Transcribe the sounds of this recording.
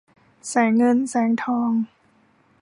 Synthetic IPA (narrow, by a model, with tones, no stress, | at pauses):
sɛː˩˦ŋːɤ˧nsɛː˩˦ŋt̪ʰɔː˧ŋ